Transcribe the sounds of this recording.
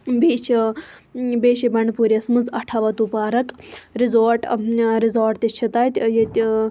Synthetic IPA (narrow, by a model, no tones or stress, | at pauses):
beːt͡ʃʰ | beːʃibɐɳɖpuːɾʲɐsmɨd͡zɐʈʰɐʋɐt̪upaːɾɐkɾizoːɾʈɾizoːɾʈt̪it͡ʃʰit̪aːjt̪ʲjet̪ʲ